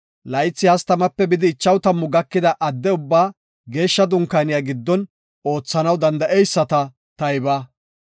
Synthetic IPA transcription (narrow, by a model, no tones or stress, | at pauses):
lɐjɪt͡sːɪhɐst̪ɐmɐpːɛbɪd̪ɪːt͡ʃːɐwt̪ɐmːʊɡɐkːɪd̪ɐʔɐd̪ːɛʊbːaː | ɡe̞ːʃːɐd̪ʊŋkːanɪjaɡɪd̪ːɔn | o̞ːt͡sːɐnɐwd̪ɐnd̪ɐʔɛjsːɐt̪ɐ | t̪ɐjɪbaː